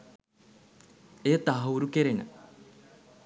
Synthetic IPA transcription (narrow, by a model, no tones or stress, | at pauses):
eːt̪aɦɐuɾukeɾenə̰